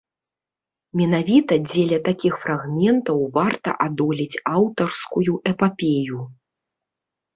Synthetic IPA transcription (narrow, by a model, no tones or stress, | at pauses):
mʲɛnavʲit̪ɐd͡zʲelʲɐt̪akʲixfɾaɣmʲɛnt̪ɐwvart̪ɐ̰ʔad̪ɔlʲit͡sʲawt̪ɐrskujuʔɛpapʲeju